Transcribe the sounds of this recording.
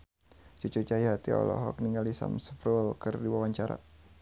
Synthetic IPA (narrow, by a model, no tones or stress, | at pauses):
t͡ʃut͡ʃut͡ʃaiɦat̪iɔ̰lɔ̰ɦɔk̚niŋɡalisa̰msə̥pɾulkɨrdiwawaɲt͡ʃaɾa̰